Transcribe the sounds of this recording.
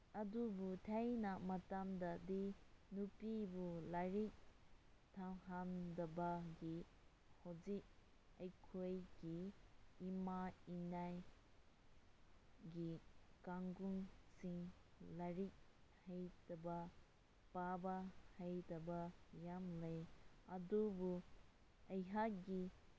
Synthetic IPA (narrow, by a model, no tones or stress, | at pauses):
ɐdubutʰajnɐmɐtamdɐdinupibulaɾik̚tʰaɦandɐbɐɡi | hozik̚ | ɐjkʰojɡiː | mainaj | ɡikaŋɡuŋsiŋ | laɾik̚həjtɐba | pabahəjtɐbajamləjadubu | əjɦaɡi